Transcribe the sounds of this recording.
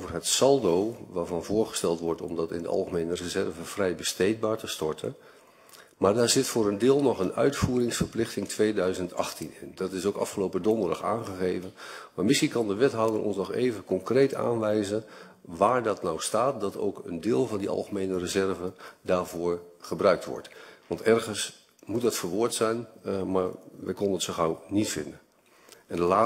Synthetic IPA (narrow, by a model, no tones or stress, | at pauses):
ovəɹɦətsɑlˠdowʋaːɹvɑnvʊːɹχə̥stɛlˠtʋɔɹtɔ̰mdɑtɪ̰ndə̰ʔɑ̰lˠχəmejnərəzɛrvəv̥rɛjbəstejt̚baːɹtəstɔɹtʰən | maːɹdaːɹzɪtfʊːɾəndɪːlˠnɔχənœ̰ɥtfuːɾɪŋsfəɹplɪχtɪŋtʰʋejdœɥzəntɑ̰χtinɪ̰ndɑtɪsowkɑ̰fχəlowpədɔndərdɑχa̰ːnχəɣejvənmaːɹmɪskikɑndəʋɛtɦɔwdərʔɔ̰nsnɔχḛjvəkɔŋkrejta̰ːnʋɛjzən | ʋaːɹdɑtnɔwstaːt̚dɑto̰wkə̰ndɪːlˠvɑndiɑ̰lˠχəmejnərəzɛɹvədaːɹvʊːɹχəbrœɥk̚tʋɔ̰ɹtʋɑntɛɹχəns | mutdɑtfəɹʋʊːɹtsɛjnmaːɹʋɛ̰jkɔnənətsoχawnitfɪ̰ndən | ɛndəlaː